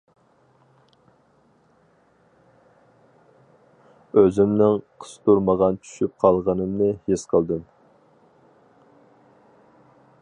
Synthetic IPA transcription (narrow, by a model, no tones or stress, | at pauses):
øzɪmnɪŋqʰə̥st̪uɾməʁɑnt͡ʃʰy̥ʃyp̚qʰɑlˠʁənɨmnɨhesqʰəlˠd̪ɨm